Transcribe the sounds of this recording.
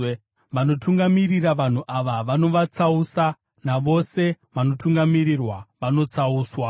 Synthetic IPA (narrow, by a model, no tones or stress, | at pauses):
ʋano̞tuŋɡamiriraʋan̤uʔaʋaʋano̞ʋat͡sausa | naʋo̞se̞ | ʋano̞tuŋɡamirirwaʋano̞t͡sauːswa